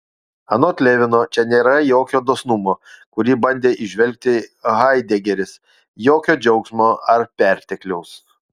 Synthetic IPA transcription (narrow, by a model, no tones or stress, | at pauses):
ɐnoːt̪ʲlʲeːʋʲɪnoːt͡ʃʲɛnʲeːɾɐjoːkʲoːd̪oːsnʊmoːkʊɾʲiːbɐnʲd̪ʲeːʔɪʒʲʋʲɛlʲk̚ʲt̪ʲɪɣɐɪd̪ʲɛɡʲɛɾʲɪs | joːkʲoːd͡ʒʲɛʊksmoːɐɾpʲæˑɾʲt̪ʲɛklʲɛʊs